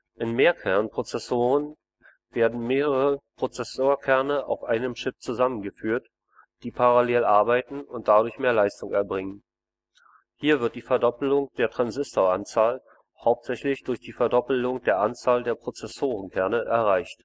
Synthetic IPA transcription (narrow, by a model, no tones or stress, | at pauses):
ʔɪnmeːɐkʰɛɐnpʁ̥ot͡sɛsoːʁən | v̥eːɐdn̩meːʁəəʁəpʁ̥ot͡sɛsoːɐkʰɛɐnəʔa̰ʊfʔaɪnəmʃɪp̚t͡suzamənɡəfyːɐt | d̥iːpʰaʁaleːlʔaɐbaɪtn̩ʊnt̚d̥adʊɐçmeːɐlaɪstʊŋɛɐbʁɪŋən | hiːɐvɪɐt̚d̥iːfɛɐdɔpl̩ʊŋd̥eːɐtʁ̥anzɪstoant͡saːl | haʊp̚tz̥ɛçlɪçd̥ʊɐçd̥iːfɛɐdɔpl̩ʊŋd̥eːɐʔant͡saːldeːɐpʁ̥ot͡sɛsoːʁənkʰɛɐnəʔɛɐʁaɪçt